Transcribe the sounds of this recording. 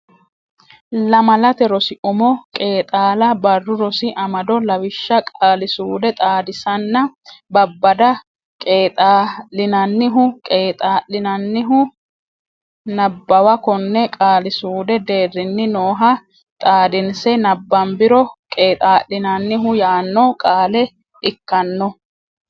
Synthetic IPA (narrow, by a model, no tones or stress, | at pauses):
lɐmɐlɐt̪ɛɾɔsɪʔʊmɔkʼe̞ːt̪ʼaːlɐbɐrːʊɾɔsɪʔɐmɐd̪ɔlɐwɪʃːɐkʼaːlɪsuːd̪ɛt̪ʼaːd̪ɪsɐnːɐbɐbːɐd̪ɐ | kʼeːt̪ʼaːlɪnɐnːɪɦʊkʼeːt̪ʼaːʔɪnɐnːɪɦʊ | nɐbːɐwɐkɔnːɛkʼaːlɪsuːd̪ɛd̪e̞ːrɪnːɪnoːɦɐ | t̪ʼaːd̪ɪnsɛnɐbːɐmbɪɾɔkʼe̞ːt̪ʼaːʔɪnɐnːɪɦʊjaːnːɔkʼaːlɛ | ɪkːɐnːɔ